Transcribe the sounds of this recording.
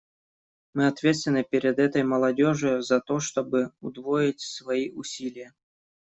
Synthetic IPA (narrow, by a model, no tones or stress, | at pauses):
mɨɐt̪vʲet̪st̪vʲɪnːɨpʲeɾʲɪd̪ɛt̪əjməlˠɐdʲoʐɨjʊzɐt̪oʂt̪obɨʊd̪vojɪtʲsvɐiʔʊsʲilʲɪjə